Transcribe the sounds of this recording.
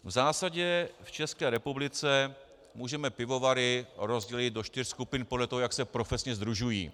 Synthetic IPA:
vzaːsaɟɛft͡ʃɛskɛːɾɛpublɪt͡sɛ | muːʒɛmɛpɪvo̞vaɾɪɾo̞zɟɛlɪd̪̚do̞ʃt̪ɪrskupɪnpodlɛt̪oɦojaksɛpɾo̞fɛsɲɛzd̪ɾuʒujḭː

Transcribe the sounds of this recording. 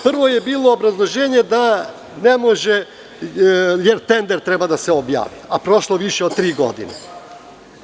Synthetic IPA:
pr̩ʋo̞jebiːlˠoːbɾazlˠo̞ʒeːɲe̞d̪a | nemoʒe | jeɾt̪e̞nd̪eɾt̪ɾebad̪aseobja̰ːʋiapɾo̞ʃlˠoʋiʃeod̪̚t̪ːɾiːɡo̞̰d̪ḭne

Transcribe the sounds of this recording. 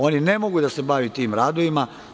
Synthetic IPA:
o̞nine̞mo̞ɡud̪ase̞baʋit̪iːmɾaːd̪oʋima

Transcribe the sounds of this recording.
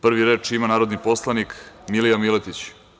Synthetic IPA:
pr̩ʋiɾe̞ːt͡ʂimanaːɾod̪niposlˠanikmilijamilet̪it͡ɕ

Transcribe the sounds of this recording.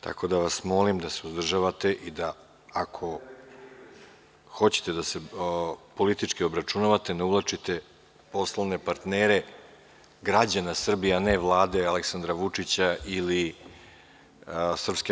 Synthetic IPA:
t̪ʰa̰ko̞d̪aʋasmo̞limd̪ase̞uzd̪r̩ʒaʋat̪e̞ʔid̪a | akʰo̞ | xo̞t͡ɕe̥t̪ed̪ase̞po̞lit̪it͡ʂkio̞bɾat͡ʂunaʋat̪eneuvlˠat͡ʂit̪e̞ | po̞slˠoʋne̞paɾt̪neːɾe̞ | ɡɾad͡ʑanasr̩bijaaneʋlˠaːd̪e̞aleksand̪ɾaʋut͡ʂit͡ɕaʔili | sr̩pske

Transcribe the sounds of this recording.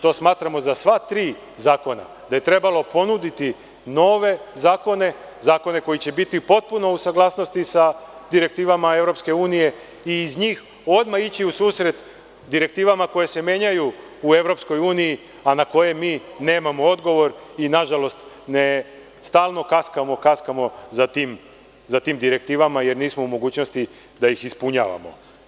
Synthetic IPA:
t̪o̞ːsmaːt̪ɾamo̞zasʋat̪ɾiː | zaːko̞na̰ | d̪aje̞t̪ɾe̞balo̞po̞nud̪it̪i | no̞ːʋe̞zaːko̞ne̞ | zaːko̞ne̞ko̞jit͡ɕe̞bit̪ipo̞t̪̚puno̞usaɡlˠaːsno̞st̪isad̪iɾe̞k̚t̪iːʋamae̞ʋɾo̞pske̞uːnije̞ | iːzɲiːx | o̞d̪mait͡ɕiusuːsɾe̞t̪ | d̪iɾe̞k̚t̪iːʋamako̞je̞se̞mje̞ɲajuː | e̞ʋɾo̞psko̞juːniji | anako̞je̞miːne̞ːmamo̞o̞d̪ɡo̞ʋo̞ɾinaʒalo̞st̪ | ne | st̪aːlˠno̞kaskamo̞kaskamo̞zat̪iːm | zat̪iːmd̪iɾe̞kt̪iːʋamaje̞ɾniːsmo̞umo̞ɡuːt͡ɕnost̪i | d̪ajixispuɲa̰ːʋa̰mo̰

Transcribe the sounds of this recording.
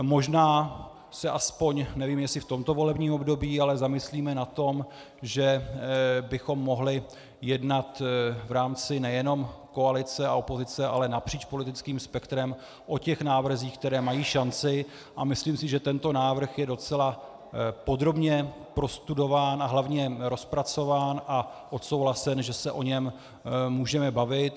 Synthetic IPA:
mo̞ʒnaː | sɛʔaspo̞ɲnɛviːmjɛsɪft̪o̞mt̪o̞vo̞lɛbɲiːmobdo̞biːalɛzamɪsliːmɛnat̪o̞m | ʒɛ | bɪxo̞mːo̞ɦlɪ | jɛdnat̪vɾaːmt͡sɪnɛjɛno̞mko̞alɪt͡sɛaopo̞zɪt͡sɛʔa̰lɛnapr̥iːt͡ʃpolɪt̪ɪt͡skiːmspɛkt̪ɾɛm | ʔo̞cɛxnaːvr̩ziːxk̚t̪ɛɾɛːmajiːʃant͡sɪ | ʔamɪsliːmsɪʒɛt̪ɛnt̪o̞naːvr̩xjɛdo̞t͡sɛla | po̞d̪ɾo̞bɲɛ | pɾo̞st̪udo̞vaːnʔaɦlavɲɛɾo̞spɾat͡so̞vaːnʔaʔot̪so̞wɦlasɛnʒɛsɛʔo̞ɲɛm | muːʒɛmɛbavɪt̪

